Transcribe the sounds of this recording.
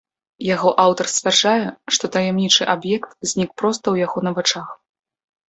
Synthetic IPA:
jaɣɔʔawt̪ɐrsʲt̪ʲt͡sʲvʲard͡ʐajɛʂt̪ɔt̪ɐjɛmnʲit͡ʂɨʔabjɛkt̪zʲnʲik̚pɾɔst̪ɐwjaɣɔnɐvat͡ʂax

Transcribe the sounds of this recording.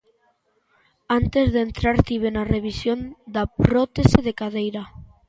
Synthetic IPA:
ant̪ezðent̪ɾaɾt̪iβ̞enareβ̞isjond̪apɾot̪eseðekaðejɾa

